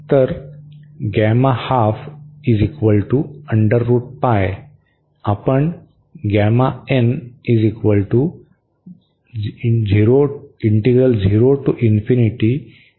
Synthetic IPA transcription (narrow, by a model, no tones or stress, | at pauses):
t̪əɾ | ɡamahafizikʋəlʈuə̃ɳɖəɾːuːʈ̚paj | apəɳ | ɡamaenizikʋəlʈu | d͡ziɾoiɳʈeɡɾəld͡ʒiɾoʈuʔinfiniʈi